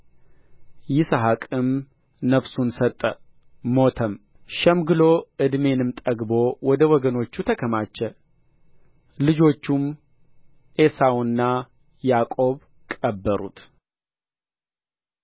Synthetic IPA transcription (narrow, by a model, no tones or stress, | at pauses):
jɪsaɦakʼɨm | nəfsunsət̪ʼːə | mo̞t̪ʰəm | ʃɛmɡɨlo̞ʔɨd̪me̞nɨmt̪ʼəɡbo̞wɔd̪əwɔɡəno̞t͡ʃːut̪ʰəkʰəmat͡ʃːɛ | lɨd͡ʒo̞t͡ʃːum | ʔe̞sawnːa | jakʼo̞β | kʼəbːəɾṵt̪